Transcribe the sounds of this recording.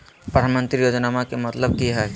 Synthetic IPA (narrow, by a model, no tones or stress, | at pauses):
pɾəd̪ʱaːnmə̃nt̪ɾijod͡ʒnamakemɐt̪ləbkiɦɛː